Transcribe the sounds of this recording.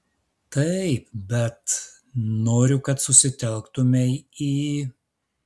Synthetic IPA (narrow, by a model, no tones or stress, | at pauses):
t̪ɐɪp̚bʲɛt̪ | noːɾʲʊkɐt̪sʊsʲɪt̪ʲɛlˠkt̪ʊmʲɛiː